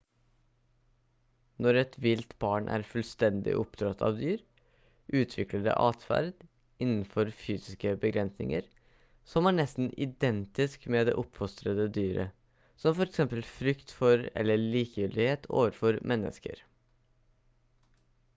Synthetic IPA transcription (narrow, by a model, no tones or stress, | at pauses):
nɔɾɛt̪ʋɪlt̪bɑːɳʔæ̰ːɾfʉlst̪ɛnd̪ɪ̰ʔɔpd̪ɾɑt̪ʰɑ̰ːʋd̪yːɾ | ʔʉːt̪ʰʋɪkləɖɛ̰ʔɑːt̪fæ̰ɾd̪ | ɪnn̩fɔɾfyːsɪskəbəɡɾɛnsnɪ̰ŋə̰ɾ | sɔmæːɳɛst̪n̩ʔɪd̪ɛnt̪ɪskmɛd̪ɛ̰ʔɔpfɔst̪ɾəd̪əd̪yːɾə̰ | sɔmfɔɾɛksɛmpəlfɾʏkt̪fɔɾɛ̰lːəɭiːkjʏld̪ɪheːt̪ʰo̰ːʋəɾfɔɾmʔɛnːə̰skə̰ɾ